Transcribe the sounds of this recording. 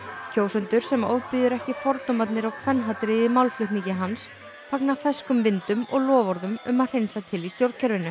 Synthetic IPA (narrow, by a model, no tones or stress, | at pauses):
cʰoːwsʏnt̪ʏɾ̥sɛmo̰wðpɪðʏɾɛhcɪfɔɾt̪nɔmat̪nɪɾawkʰvɛnɦat̪ɾɪɪmawlflʏht̪niŋcɪɦans | faknaθɛskʏmvɪnt̪ʏmɔɣlɔːvɔɾðʏmʏ̰maðr̥ejnsat̪ʰɪlist̪jowɾt̪̚cʰɛɾvɪnːʏ